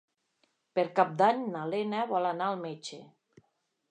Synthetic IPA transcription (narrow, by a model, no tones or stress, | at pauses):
peɾkap̚d̪aɲnalenaβɔlanaːlˠmet͡ʃe